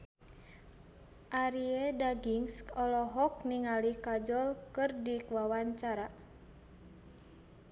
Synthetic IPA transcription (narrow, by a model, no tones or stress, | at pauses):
ʔaɾiedaɡiŋskɔlɔɦɔk̚niŋalikad͡ʒɔlkɨrdikwawaɲt͡ʃaɾa